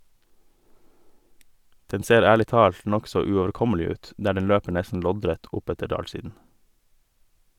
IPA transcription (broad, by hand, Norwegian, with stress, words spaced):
ˈdɛn ˈseːɾ ˈæːɭɪ ˈtɑːlt ˈnɔksɔ ʉoːʋəɾˈkɔməlɪ ˈʉːt ˈdæː ˈɖɛn ˈløːpə ˈɳæsən ˈlɔdɾæt ˈʔʊˌpætə ˈɖɑːlˌsiːdn̩